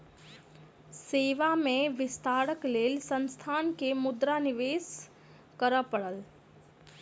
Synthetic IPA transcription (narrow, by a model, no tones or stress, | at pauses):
seːʋamẽʋɪst̪ʰaːɾəkleːlsə̃nst̪ʰaːnkemʊd̪ɾanɪʋeːs | kəɾəpəɽəl